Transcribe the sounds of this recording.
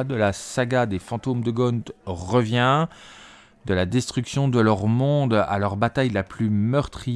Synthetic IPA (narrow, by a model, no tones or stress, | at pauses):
d̪əlasaɡad̪efɑ̃t̪omd̪əɡɔnt̪ʁəvjɛ̃ | d̪əlad̪ɛst̪χyksjɔ̃d̪əlœʁmɔ̃d̪a̰lœʁbat̪ajlaplymœʁt̪χi